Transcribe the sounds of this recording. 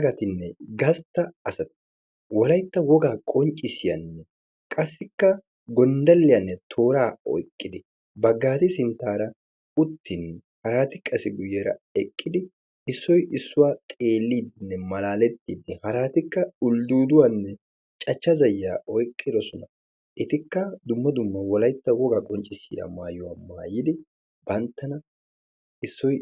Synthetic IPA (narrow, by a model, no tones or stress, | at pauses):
ɐɡɐt̪ɪnːɛɡɐst̪ːɐɐsɐt̪ɪ̥ | wɔlɐjt̪ːɐwɔɡaːkʼɔnt͡ʃʼɪsɪjɐ̰nːɛ | kʼɐsːɪkːɐ | ɡɔnd̪ɐlːɪjɐnːɛt̪ʰo̞ːɾaːɔ̰jkʼːɪd̪ɪ | bɐɡːaːt̪ɪsɪnt̪ːaːɾɐ | ʊt̪ʰːɪnːɛ | hɐɾaːt̪ɪkʼːɐsɪɡʊjːeːɾɐ̰ɛkʼːɪd̪ɪ | ɪsːɔjʔɪsːʊwaːt̪ʼe̞ːlːiːd̪ɪnːɛmɐlaːlɛt̪ːiːd̪ɪhɐɾaːt̪ɪkːɐʊld̪uːd̪ʊwanːɛ | t͡ʃʼɐt͡ʃːɐzɐjːaːɔjkʼːɪd̪ɔsɔnɐ | ʔɪt̪ɪkːɐd̪ʊmːɐd̪ʊmːɐwɔlɐjt̪ːɐwɔɡɐkʼɔnt͡ʃʼːɪsḭːd̪ɐ̰maːjʊwama̰ːjɪd̪ɪ | b̥ɐnt̪ːɐnɐ | ɪsːɔj